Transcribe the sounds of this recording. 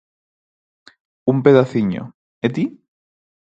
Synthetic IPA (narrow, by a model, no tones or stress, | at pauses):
umpe̞ðaθiɲo̰ | et̪i